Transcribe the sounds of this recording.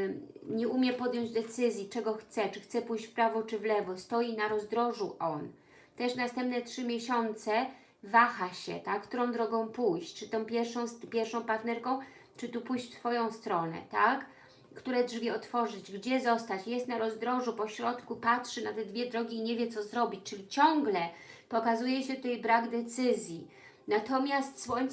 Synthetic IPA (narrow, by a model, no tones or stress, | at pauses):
ɲɛumʲjɛpɔd̪ʲjɔ̃ɲd͡ʑd̪ɛt̪sɘzʲjit͡ʂɛɡɔxt̪sɛt͡ʂɘxt̪sɛpujɕt͡ɕfpɾavɔt͡ʂɘvlɛvɔst̪ɔjinaɾɔzd̪ɾɔʐuʔɔn | t̪ɛʂnast̪ɛmp̚nɛtʂɘmʲjeɕɔnt̪sɛ | vaxaɕɛ̰t̪akkt̪uɾɔ̃w̃d̪ɾɔɡɔ̃w̃pujɕt͡ɕt͡ʂɘt̪ɔ̃w̃pʲjɛɾfʂɔ̃w̃spʲjɛɾfʂɔ̃w̃paɾt̪nɛɾkɔ̃w̃ | t͡ʂɘt̪upujɕt̪fɔjɔ̃w̃st̪ɾɔnɛ̰t̪ak | kːt̪uɾɛdʐvʲiɔt̪fɔʐɘd͡ʑɡd͡ʑɛzɔst̪at͡ɕjɛst̪naɾɔzd̪ɾɔʐupɔɕɾɔt̪kupatʂɘnat̪ɛd̪vʲjɛd̪ɾɔɡʲiːɲevʲjɛt̪sɔzɾɔbʲit͡ɕʲt͡ʂɘlʲit͡ɕɔŋɡlɛpɔkazujɛɕɛt̪ut̪ɛjbɾaɡd̪ɛt̪sɘzʲji | nat̪ɔmʲjast̪sfɔj